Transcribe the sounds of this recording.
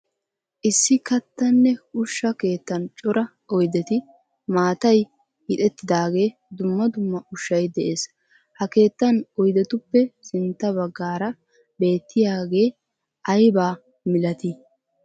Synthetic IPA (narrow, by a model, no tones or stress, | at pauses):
ʔɪsːɪkɐt̪ːɐnːɛʊʃːɐke̞ːt̪ːɐnt͡ʃʼɔɾɐ | ɔjd̪ɛt̪ɪ | maːt̪ɐj | hɪt̪ʼɛt̪ːɪd̪aːɡe̞ːd̪ʊmːɐd̪ʊmːɐʔʊʃːɐjd̪ɛʔe̞ːs | hɐke̞ːt̪ːɐnɔjd̪ɛt̪ʊpːɛsɪnt̪ːɐβɐɡːaːɾɐ | be̞ːt̪ːɪjaːɡe̞ː | ʔɐjbaː | mɪlɐt̪ɪ